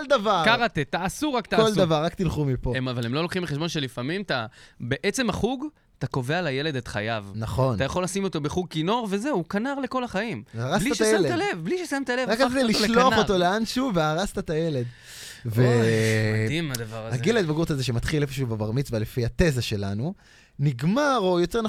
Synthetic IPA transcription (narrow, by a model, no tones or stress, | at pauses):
old̪avaʁkaʁat̪et̪aːsuʁakt̪akːolddavaʁːakt̪ilχumipoemavalemlo̞lokχimbeχeʃbo̞nʃe̞lifamimt̪abeʔet͡se̞maχuɡ | t̪ako̞ve̞alaje̞le̞d̪et̪χajavnaχo̞nt̪ajaχo̞lasimo̞t̪o̞beχuɡ̚kino̞ʁve̞ze̞ukanaʁle̞ko̞laχaimaʁasbliaʃajaemledt̪alevbliʃesamt̪alevʁakad̪eliʃloaχotoleanʃuveaʁast̪at̪ajele̞d̪ | ve | imad̪vaʁaɡeled̪vaɡuʁtazeʃemat̪χilefoʃuubebaʁmit͡svealefihat̪e̞zaʃe̞lanu | niɡmaʁo̞joteʁna